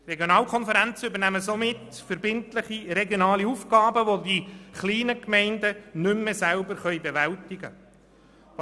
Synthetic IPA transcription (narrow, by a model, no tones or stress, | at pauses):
reɡjonɑːlkʰɔnfəɾænt͡səʏbəɾnæməsomɪt | fəɾbɪntləχiɾeɡjonɑːliufɡɑːbəʋodiχliːnəkmɛɪndənʏmːesælbəɾχœjbeʋæltɪɡə